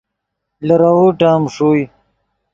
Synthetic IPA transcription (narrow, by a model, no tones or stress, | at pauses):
lɐɾawuʈaːmʂuj